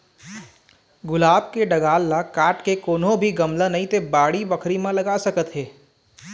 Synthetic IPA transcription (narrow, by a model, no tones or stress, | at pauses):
ɡʊlaːbkeɖɐɡaːlːakaːʈkekoːnɦõbʱiɡɐmlə̃nɐɦĩt̪ebaːɽibɐkʰɾimẽlɐɡasɐkət̪ɦɛː